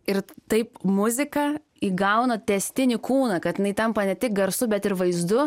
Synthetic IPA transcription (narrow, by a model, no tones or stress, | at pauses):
ɪɾt̪ɐɪpmʊzʲɪkɐ | iːɡɐʊnɐt̪ʲɛsʲt̪ʲɪnʲɪkuːnɐkɐt̪ʲɪnɐɪt̪ɐmpɐnʲɛt̪ʲɪk̚ɡɐɾsʊbʲɛt̪ɪɾʋɐɪzd̪ʊ